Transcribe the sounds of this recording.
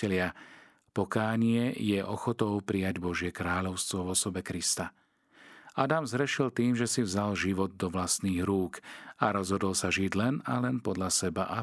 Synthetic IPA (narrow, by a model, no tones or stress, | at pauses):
ɛlɪa | pɔkaːɲɪɛjɛʔɔxɔt̪ɔʊpɾijaɟbɔʒɪɛkɾaːʎɔʊst̪ʋɔvɔsɔbɛkɾist̪a | ad̪amzɦɾɛʃilt̪iːmʒɛsivzalʒiʋɔd̪̚ːɔʋlast̪niːɣɾuːkaɾɔzɦɔd̪ɔl̩saʒiɟlɛnalɛnpɔd̪lʎasɛbaʔa